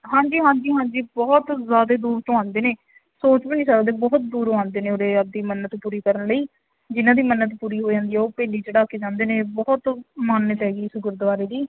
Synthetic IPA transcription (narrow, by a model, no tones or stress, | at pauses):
ɦãːɲd͡ʒiːɦãːd͡ʒiːɦãːɲd͡ʒiːbɔːt̪zjaːd̪eːd̪uːɾt̪õːãːnd̪eːneː | soːt͡ʃpəniːsəkd̪ẽːbɔːt̪̚d̪uːɾõːãːnd̪eːnẽːoːɾeːəb̚d̪iːmənːət̪puːɾiːkəɾənləiː | d͡ʒɪnãːd̪iːmənːət̪puːɾiːɦoːd͡ʒãːnd̪iːɛːoːpɛːliːd͡ʒeɽaːkeːd͡ʒãːnd̪eːnẽːbɔːt̪maːnət̪ɦɛːɡiːɪsɡəɾd̪ʋaːɾeːd̪iː